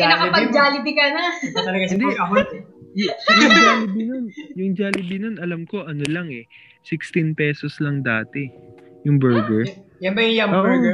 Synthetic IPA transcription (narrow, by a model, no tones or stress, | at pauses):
ɛnɐkɐpɐɡd͡ʒaːlɪbɪkɐnɐɐt̪ɐlɐɡɐsɪd̪pɐɡɐɦot̪ | jʊŋd͡ʒaːlɪbɪnonjʊŋd͡ʒaːlɪbɪnonɐlɐmko̞ʔɐnolɐŋɛ | sɪkst̪inpɛsoslɐŋd̪aːt̪ɛjʊŋbɛɹɡɛɹjɐnbɐjjɐmoːb